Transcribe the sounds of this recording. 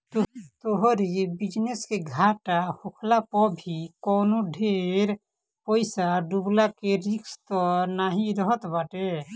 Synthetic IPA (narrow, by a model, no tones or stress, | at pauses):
t̪oɦɾibid͡ʒneskeɡʱaʈahukʰlapɔbʱikɔːnoɖʱeɾ | pəɪsaɖublakeɾikst̪ɔnaɦĩɾəɦət̪baʈe